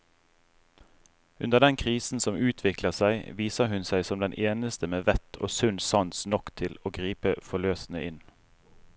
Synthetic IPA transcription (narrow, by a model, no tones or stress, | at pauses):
ʉnd̪əʁd̪ɛnkʰʁiːsn̩sɔmʉːt̪ʰʋɪkləʁsæɪʋiːsəɦʉnsæɪsɔmd̪ɛnʔeːnəst̪əmeːʋɛt̪ʰo̰ːsʉnsɑnsnɔkt̪ʰɪloːɡʁiːpəfɔløːsn̩əʔɪn